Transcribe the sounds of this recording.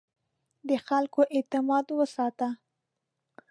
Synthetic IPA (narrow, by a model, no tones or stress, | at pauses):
d̪əxalkoʔɪt̪ɪmɑd̪wəsɑt̪a